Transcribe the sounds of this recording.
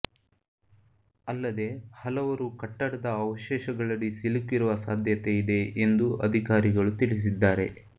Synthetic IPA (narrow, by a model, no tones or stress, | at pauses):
ɐlːɐd̪e̞hɐlɐʋɐɾukɐʈːɐɽɐd̪ɐːʋɐʃɛːʃɐɡɐɭɐɭisilukːiɾuʋɐsaːd̪ʱjɐt̪e̞id̪e̞end̪uɐ̰d̪ʱikaːɾiɡɐɭut̪iɭis̬id̪ːaːɾe̞̰